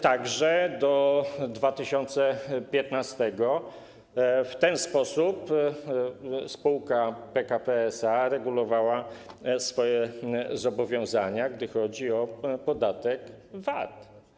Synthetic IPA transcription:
t̪aɡʐɛd̪ɔd̪vat̪ɘɕɔnt̪sɛpʲjɛt̪nast̪ɛɡɔ | ft̪ɛnspɔsup | spuwkapɛkapɛɛsaɾɛɡulɔvawasfɔjɛzɔbɔvʲjɔ̃w̃zaɲaɡd̪ɘxɔd͡ʑiɔpɔd̪at̪ɛk | vat̪

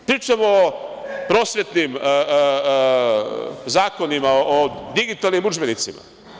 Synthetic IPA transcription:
pɾiːt͡ʃemo | pɾo̞ːsʋjet̪nim | zaːko̞nimaoʔod̪iɡit̪alnimud͡ʒbenit̪sima̰

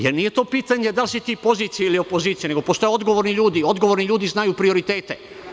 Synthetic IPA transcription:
jeɾnije̞t̪o̞ːpiːt̪aɲed̪alsit̪iːpo̞ziːt̪sijeilio̞po̞ziːt̪sijene̞ɡo̞post̪o̞jeo̞d̪ɡo̞ʋoːɾniʎuːd̪io̞d̪ɡoʋoɾniʎuːd̪iznajuːpɾio̞ɾit̪eːt̪e

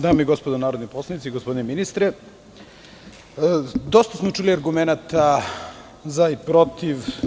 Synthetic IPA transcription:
d̪aːmeiɡospod̪onaːɾod̪niposlˠanit̪siɡospo̞d̪ineminist̪ɾe | d̪ost̪asmot͡ʃuliaɾɡumenat̪a | zaipɾo̞t̪iʋ

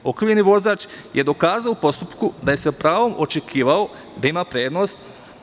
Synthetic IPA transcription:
o̞kɾiʋjeniʋo̞zaːt͡ʃje̞d̪o̞kaːzaoupo̞st̪upkud̪aje̞sepɾaːʋo̞mʔo̞t͡ʃe̞kʰiːʋao̞ | d̪aimapɾe̞ːd̪no̞ːst̪

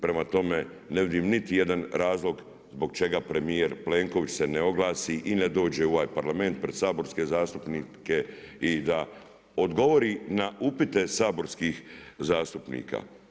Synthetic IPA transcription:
pɾe̞mat̪o̞me̞ | ne̞ʋid̪imnit̪ije̞d̪anɾaːzlo̞ɡ | zbo̞ɡt͡ʃe̞ɡapɾe̞mijeɾple̞ŋko̞ʋit͡ɕse̞neoɡlˠaːsiʔined̪o̞ːd͡ʑeoʋaːjpaɾlame̞nt̪̚pɾe̞d̪saːbo̞ɾske̞zaːst̪upnike̞id̪a | od̪ɡo̞ʋo̞ɾinaupit̪e̞saːbo̞ɾskixzaːst̪upnḭːka̰

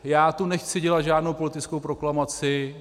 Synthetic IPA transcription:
jaːt̪onɛxt͡sɪɟɛlat̪ʒaːdnowpo̞lɪt̪ɪt͡skowpɾoklamat͡sɪ

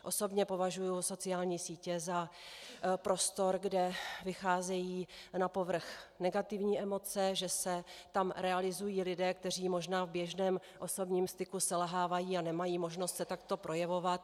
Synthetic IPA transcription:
ʔo̞so̞bɲɛpo̞vaʒujuso̞t͡sɪaːlɲiːsiːcɛza | pɾo̞st̪o̞ɾɡdɛvɪxaːzɛjiːnapo̞vr̩xnɛɡat̪ɪvɲiːʔɛmo̞t͡sɛʒɛsɛt̪amɾɛalɪzujiːlɪdɛːk̚t̪ɛr̝iːmo̞ʒnaːvbjɛʒnɛːm | ʔo̞so̞bɲiːmst̪ɪkusɛlɦaːvajiːanɛmajiːmo̞ʒno̞st̪sɛt̪akt̪o̞pɾʔo̞jɛvo̞vat̪̚

